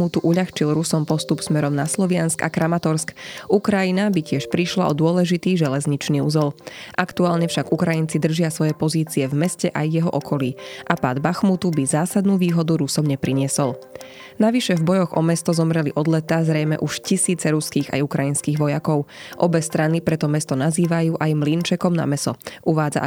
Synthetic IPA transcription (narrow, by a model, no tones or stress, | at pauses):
ut̪uʔuʎaxt͡ʃilɾusɔmpɔst̪upsmɛɾɔmnaslɔʋɪanska̰kɾamat̪ɔɾskʔukɾajinabicɪɛʃpɾiʃla̰ʔɔd̪ʊɔlɛʒit̪iːʒɛlɛzɲit͡ʃniːuzɛlʔakt̪uaːlɲɛfʃaɡukɾajint͡sid̪r̩ʒɪasʋɔjɛpɔziːt͡siɛvmɛscɛʔajːɛɦɔ̰ʔɔkʰɔliːʔapa̰ːd̪baxmut̪ubizaːsad̪nuːʋiːɦɔd̪uɾusɔmɲɛpɾiɲɪɛsɔl | naʋiʃɛvbɔjɔɣɔ̰mɛst̪ɔzɔmɾɛliʔɔd̪lɛt̪azɾɛjmɛ̰ʔuʃcisiːt͡sɛɾuskiːɣa̰jukɾajinskiːɣʋɔjakɔʊʔɔbɛst̪ɾanipɾɛt̪ɔmɛst̪ɔnaziːʋajuːʔajmlint͡ʃɛkɔmna̰mɛsɔʔuʋaːd͡za̰